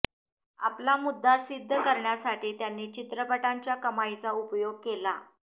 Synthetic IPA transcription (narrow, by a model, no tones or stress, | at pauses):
a̰plamud̪ʱːasid̪ʱːəkəɾɳjasaʈiːt̪janːiːt͡ɕit̪ɾəpəʈaɲt͡ɕjakəmajt͡saupjoɡ̚kela